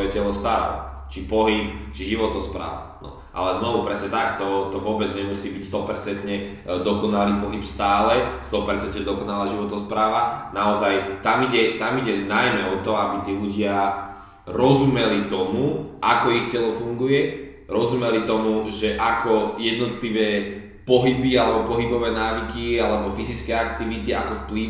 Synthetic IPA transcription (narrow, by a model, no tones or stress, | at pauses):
ɔjɛcɛlɔst̪aɾa̰lɔ̰t͡ʃipɔɦip̚t͡ʃiʒiʋɔt̪ɔspɾa̰ːʋa̰nɔ̰ | ʔa̰lɛznɔʋupɾɛsɲɛt̪akt̪ɔt̪ɔʋʊɔbɛd͡zɲɛmusiːbicst̪ɔpɛɾt͡sɛnt̪ɲɛ | d̪ɔkɔnaliːpɔɦipst̪aːlɛst̪ɔpɛɾt͡sɛnt̪ɲɛd̪ɔkɔnalaːʒiʋɔt̪ɔspɾaːʋanaɔzajt̪amiɟɛt̪amiɟɛnajmɛɔt̪ɔabit̪iːluɟɪa | ɾɔzumɛlit̪ɔmuʔakɔixcɛlɔfuŋɡujɛ | ɾɔzumɛlit̪ɔmuʒɛʔakɔjɛd̪nɔt̪liʋɛː | pɔɦibialɛbɔpɔɦibɔʋɛːnaːʋikialɛbɔfizit͡skɛːakt̪iʋit̪iakɔfpli